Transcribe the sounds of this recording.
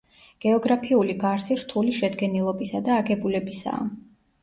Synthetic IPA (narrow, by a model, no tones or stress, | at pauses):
ɡ̥ɛɔɡɾapʰiuliɡaɾsiɾt̪ʰuliʃɛd̪ɡɛnilˠɔbisad̪aːɡɛbulɛbisa̰ː